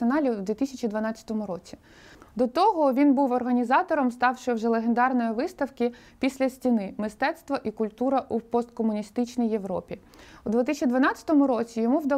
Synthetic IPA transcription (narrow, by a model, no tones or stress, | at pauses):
enɑlʲid̪ʲʋʲit̪isʲɐt͡ʃʲid̪ʋɐnɑt͡sʲɐ̥t̪ɔmʊɾɔt͡sʲi | d̪ɔt̪ɔɦɔʋʲinbuwɔrɦɐnʲizɑt̪ɔɾɔmst̪ɑwʃɪwʒɛlˠeɦend̪ɑrnɔjiʋɪst̪ɐwkɪ | pʲisʲlʲɐsʲtʲinɪmɪst̪ɛt̪st̪ʋɔʔikʊlʲt̪uɾɐʔupɔst̪̚kɔmʊnʲist̪ɪt͡ʃnijːe̞ʋɾɔ̰pʲi | ud̪ʋʲɪt̪ɪsʲt͡ʃʲid̪ʋɐnɑt͡sʲɐ̥t̪ɔmʊɾɔt͡sʲijɔmuwd̪ɐ